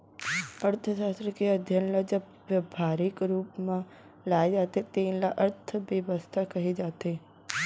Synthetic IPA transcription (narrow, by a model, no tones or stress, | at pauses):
əɾt̪ʰəsast̪ɾəkeəd̪ʱjənləd͡ʒə | ʋjəbʱaɾikɾupmã | laed͡ʒat̪et̪ẽlaʔəɾt̪ʰəʋəʋəst̪ʰakəɦid͡ʒat̪e